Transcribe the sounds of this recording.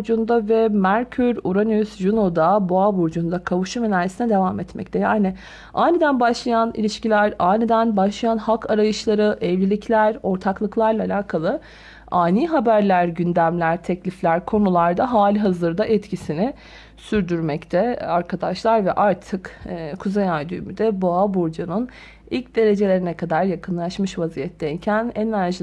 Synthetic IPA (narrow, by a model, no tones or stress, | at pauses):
d͡ʒund̪avɛmæɾcʰyɾuɾanysjunod̪abuabuɾd͡ʒund̪akʰavuʃumenælʲesinɛd̪e̞vamɛt̪mɛ̰c̚t̪ʰɛjaːnɪ | ʔaːjnid̪ænbaʃlˠajanḭlʲiʃcilʲæɾaːjnid̪ænbaʃlˠajanhakʰaɾajɯʃlˠaɾɯʔɛvlʲilʲicʰlʲæɾo̞ɾt̪ʰaklˠɯklˠaɾlˠaːlʲaːkʰalˠɯ | aːnʲiːɦabæɾlʲæɾɟynd̪æmlʲæɾt̪ʰɛclʲiflʲæɾkʰo̞nulˠaɾd̪aɦaːlʲiɦazɯɾd̪aʔɛt̪cʰisinɪ | syɾd̪yɾmɛct̪ʰɛaɾkʰad̪aʃlˠaɾvɛʔaɾt̪ʰɯkːkʰuzejajd̪yːmyd̪ɛboabuɾd͡ʒanɯn | ilʲcd̪e̞ɾe̞d͡ʒe̞lʲe̞ɾinɛkʰad̪aɾjakʰɯnlˠaʃmɯʃvazijɛt̪ʰːɛjcʰænenæɾʒi